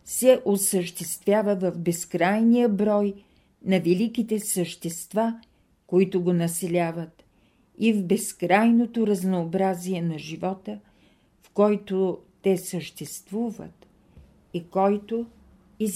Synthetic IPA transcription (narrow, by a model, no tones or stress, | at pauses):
sɛʔosəʃt̪ɛst̪vjavəvəvbɛskɾajnijəbɾɔj | nɐvɛlikit̪ɛsəʃt̪ɛst̪va | koit̪ʊɡonɐsɛlʲavət̪ | ivbɛskɾajnot̪oɾɐznoːbɾaziɛnɐʒivɔt̪ə | fkɔjt̪ot̪ɛsəʃt̪ɛst̪vuvə̰t̪ | ikɔjt̪o | i